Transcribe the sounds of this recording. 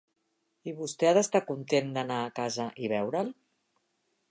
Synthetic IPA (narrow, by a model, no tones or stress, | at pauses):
iβust̪ɛaðəst̪akunt̪end̪ənaːkazəʔiβ̞ɛwɾəl